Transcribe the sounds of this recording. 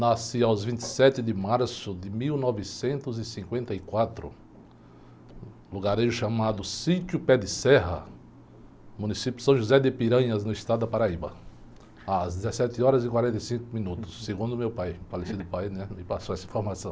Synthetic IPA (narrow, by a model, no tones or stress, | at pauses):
nasiawzvĩnt̪ɪ̥sɛt̪ɪd̪ɪmaɾsʊd̪ɪmiwnɔvɪsẽnt̪ʊzɪsĩŋkwẽnt̪ɐikwat̪ɾʊ̰ | luɡaɾeʒʊʃɐmad̪ʊsit͡ʃ̪jʊpɛd̪ɪsɛɦɐ̰ | mũnisipjʊsɐ̃w̃ʒuzɛd̪ɪpiɾɐ̃ɲɐznʊist̪ad̪ʊd̪ɐpaɾaibɐ̰ | azd̪ɪzesɛt̪ɪɔɾɐzɪkwaɾẽnt̪ɐjsĩkʊmĩnut̪ʊ̥sːeɡũd̪ʊmewpajfalesid̪ʊpajnɛmɪpasoɛsɐĩfoɾmasɐ̃w̃